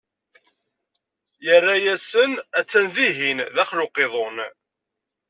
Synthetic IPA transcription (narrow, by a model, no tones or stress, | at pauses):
jərːajæsənæt͡sːænðiɦinðæχlʊqeðˤon